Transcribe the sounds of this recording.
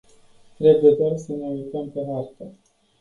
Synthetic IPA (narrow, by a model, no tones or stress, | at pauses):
t̪ɾe̞buje̞d̪oarsənejult̪əmpe̞ɦart̪ə